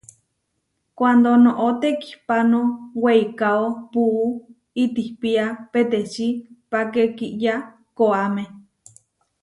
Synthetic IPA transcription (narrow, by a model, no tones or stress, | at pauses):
kʷand̪onõʔot̪eki̥hpanoweikaopuː | it̪ihpiapet̪et͡ʃipakekiʔja | koamẽ